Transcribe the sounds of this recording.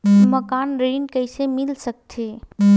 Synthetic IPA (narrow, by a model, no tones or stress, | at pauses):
məkanɾinkəɪsemilsək̚t̪ʰe